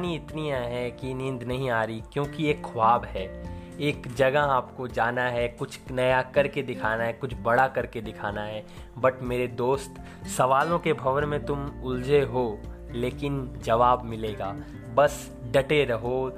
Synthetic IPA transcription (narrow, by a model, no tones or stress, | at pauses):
niɪt̪nijaɦɛkinɪ̃nd̪nɐɦĩaːɾikjõːkieːkʰːʊwaːbɦɛːeːkd͡ʒɐɡəɦaːpkod͡ʒaːnaɦɛkʊt͡ʃʰnɐjakɐɾked̪ɪkʰaːnaɦɛkʊt͡ʃʰbɐɽakɐɾked̪ɪkʰaːnaɦɛː | bɐʈʰmeːɾed̪oːst̪ | sɐʋaːlõkebʱɐʋənmẽt̪ʊmʊld͡ʒeɦo | leːkɪnd͡ʒɐʋaːbmɪleːɡaː | bɐs | ɖɐʈeɾɐɦo